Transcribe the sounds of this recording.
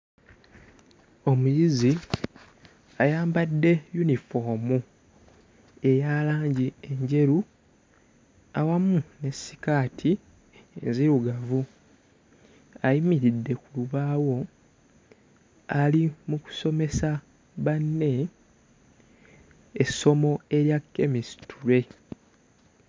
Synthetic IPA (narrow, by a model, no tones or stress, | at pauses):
o̞mujizi | ajaːmbadːe̞junifo̞ːmu | e̞jaːlaːɲɟie̞ɲɟe̞ɾu | awamune̞si̥kaːtʰi | ḛnziɾuɡavu | ajimiɾidːe̞kuluβaːwo̞ | alimuku̥so̞me̞sa | βanːe̞ | so̞mo̞e̞ɾjakːe̞misi̥tuɾe̞